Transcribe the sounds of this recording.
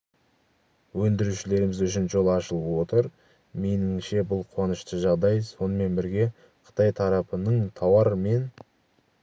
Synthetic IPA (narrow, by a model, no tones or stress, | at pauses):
wɵnd̪ɪɾuʃɪle̞ɾɪmɪzʏʃɪnʒo̞lˠɑʃəlˠəpwo̞t̪əɾ | me̞nɪŋʃe̞bʊlˠqʰʊwɑnəʃt̪əʒɑʁd̪ɑjso̞nəme̞nbɪɾɡʲe̞ | qʰə̥t̪ɑjt̪ʰɑɾɑpənəɴt̪ʰɑwɑɾme̞n